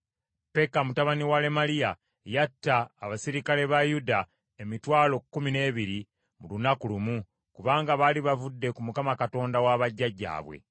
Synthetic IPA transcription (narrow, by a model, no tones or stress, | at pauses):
pe̞kamutaβaniwale̞malija | jatːaːβasiɾikale̞βajuda | emitwaːlo̞kːumine̞ːβiɾi | mulunakulumu | kuβaːŋɡaβaliβavudːe̞kumukamakato̞ːndawaβaɟːaɟːa̰ːβwḛ